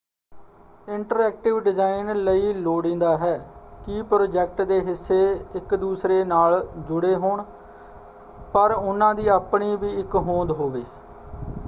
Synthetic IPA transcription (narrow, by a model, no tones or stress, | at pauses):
ɪɳʈəɾɛːk̚ʈɪʋɖɪzaːɪnləiːloːɽĩːnd̪aːɦɛːkipɾoːd͡ʒɛːk̚ʈd̪eːɦɪsːeːɪkd̪uːsɾeːnaːld͡ʒʊɽeːɦoːɳ | pəɾʊnãːd̪iːaːpɳiːbiːɪkɦõːnd̪ɦoːʋeː